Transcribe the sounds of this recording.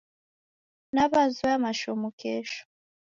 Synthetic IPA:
naβazuamaʃomokʰɛʃo̥

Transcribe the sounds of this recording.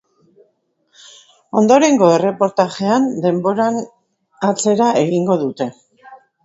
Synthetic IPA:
o̞nd̪o̞ɾe̞ŋɡo̞e̞re̞po̞ɾt̪aʝe̞and̪e̞mbo̞ɾan | at͡se̞ɾaeɣiŋɡo̞ðut̪e̞

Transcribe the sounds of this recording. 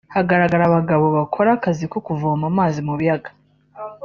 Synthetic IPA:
haɡaɾaɡaɾaβaɡaβo̞βakʰo̞ɾakaziko̞kuvoːmamaːzimuβijaɡḁ

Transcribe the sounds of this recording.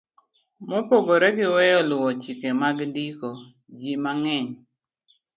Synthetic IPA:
mopoɡoɾɛɡɪwɛjɔlʊɔt͡ʃikemaɡdiko | d͡ʒimaŋɛɲ

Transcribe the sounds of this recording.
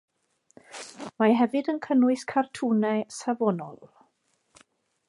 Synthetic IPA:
maɦɛvɨdənkʰənʊɨskʰartʰuːnɛsavɔnɔ̰lˠ

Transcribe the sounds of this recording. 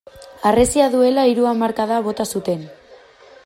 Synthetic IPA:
aresiaðue̞laiɾuamaɾkaðaβ̞o̞t̪asut̪e̞n

